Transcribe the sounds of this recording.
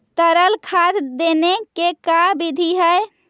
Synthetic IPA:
t̪əɾəlkʰad̪d̪enekekabid̪ʱiɦəj

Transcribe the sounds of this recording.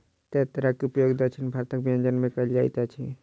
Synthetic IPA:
t̪et̪ɾakeupjoɡd̪ət͡ʃʰinbʱaɾt̪ək̚bijə̃nd͡ʒənmẽkəld͡ʒajt̪at͡ʃʰḭ

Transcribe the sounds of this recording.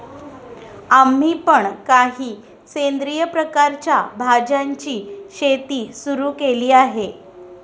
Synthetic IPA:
am̤ːiːpəɳkaɦiː | send̪ɾijəpɾəkaɾt͡ɕjabʱad͡ʑaɲt͡ɕiːɕet̪iːsuɾuːkeliːaɦe

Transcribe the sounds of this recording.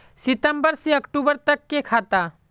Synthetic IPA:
sɪt̪əmbəɾseɐkʈuːbəɾt̪ɐkːekʰaːt̪a

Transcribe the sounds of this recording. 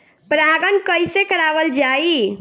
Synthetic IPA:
pɾaɡənkəjsekəɾaʋəld͡ʒai

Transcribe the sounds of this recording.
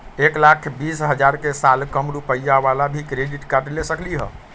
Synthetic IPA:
eklakʰbisɦəd͡ʒaɾkesalkəmɾupəjːaʋalabʱikɾeɖiʈkaɾʈlesəkliɦə̰

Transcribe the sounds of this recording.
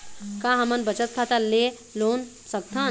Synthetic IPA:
kãɦɐmənbət͡ʃət̪̚kʰat̪ale | loːn | sɐk̚t̪ʰãː

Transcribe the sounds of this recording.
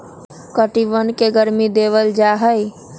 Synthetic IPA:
kəʈiʋənkeɡəɾmid̪eʋəld͡ʒaɦəj

